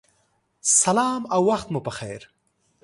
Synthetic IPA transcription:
sɐlɑːmawːaxt̪mupəxeːɾ

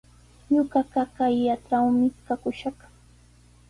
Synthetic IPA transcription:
ɲʊɢɑɢakajːaʈ͡ʂawmɪkakʊʃɑχ

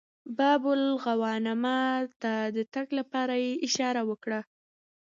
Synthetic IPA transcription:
bɑbʊlɣawɑnamat̪ad̪ət̪aɡlapɑɾajeʔɪʃɑɾawəkɽa

